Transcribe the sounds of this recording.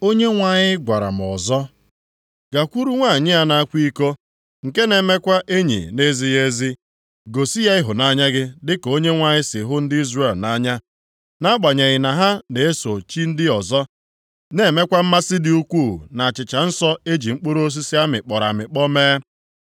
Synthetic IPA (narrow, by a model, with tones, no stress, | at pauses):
o˦ɲe˦ŋʷa˨ɲɪ˦ɡʷa˨ɾa̰˨m̩˨ɔ˨zɔ˦ | ɡa˨kʷu˦ɾu˦ŋʷa˦˨ɲɪ˦a˦na˨a˦kʷi˦ko˦ | ŋ̩˨ke˦ne˨me˦kʷa˦ʔe˦ɲḭ˨ne˦zi˦je˦zi˦ | ɡo˨si˦ja˦ɪ˦ɦʊ˨na˦ɲa˦ɡɪ˦dɪ˦ko˦ɲe˦ŋʷa˨ɲɪ˦sɪ˨ɦʊ˦n̩˦dɪ˦i˦zre˦˨lna˦ɲa˦ | na˦ɡ͡ba˨ɲe˨ɣɪ˨na˨ɦa˦ne˨e˦so˨t͡ʃi˦n̩˦dɪ˦ɔ˨zɔ˦ | ne˨me˦kʷa˦m̩˦ma˦sɪ˦dɪ˦u˦kʷu˦˨na˨t͡ʃɪ˨t͡ʃa˨n̩˦sɔ˦e˦d͡ʒi˨ŋ͡m̩˦k͡po˦ɾo˦o˦s̬i˦si˦a˦mɪ˨k͡pɔ˨ɾa̰˨mɪ˨k͡pɔ˦meː˦